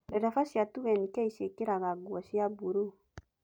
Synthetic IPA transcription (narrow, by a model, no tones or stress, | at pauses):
ɾeɾafaʃjatuβɛnikjaiʃekiɾaɣaɡwɔʃiabuɾu